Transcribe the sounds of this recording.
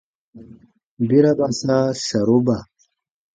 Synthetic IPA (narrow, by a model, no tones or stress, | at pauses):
biɾabasaɕɐɾuba